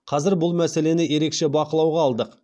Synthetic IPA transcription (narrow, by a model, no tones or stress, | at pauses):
qʰɑzɪɾbʊlˠmæse̞le̞nɪje̞ɾe̞kʃe̞bɑqəlˠɑwʁɑːlˠd̪əq